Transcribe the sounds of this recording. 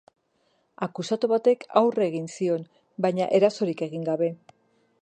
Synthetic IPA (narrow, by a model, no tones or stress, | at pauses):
akusat̪uβat̪e̞kʰawre̞ɣinsio̞n | bajɲaʔe̞ɾaso̞ɾike̞ɣiŋɡaβe̞